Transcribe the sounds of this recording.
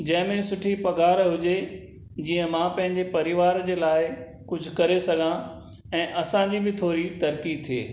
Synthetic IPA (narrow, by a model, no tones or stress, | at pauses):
d͡ʑɐ̃ɦɪ̃mẽsʊʈʰipɐɡaːɾɦʊd͡ʑe | d͡ʑiːə̃mãpɐ̃ɦɪ̃ɲd͡ʑepɐɾɪʋaːɾd͡ʑeːlaːɪ | kʊd͡ʑʱʊkɐɾesɐɡʱã | ɛ̃ːʔɐsãd͡ʑibɪt̪ʰoːɾit̪ɐɾkit̪ʰiḛː